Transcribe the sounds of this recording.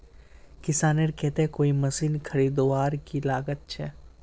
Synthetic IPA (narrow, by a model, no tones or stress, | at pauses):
kɪsaːneɾkɛːt̪ekoːimɐsiːnkʰɐɾiːd̪oʋaːɾkilaːɡət̪̚t͡ʃʰɛ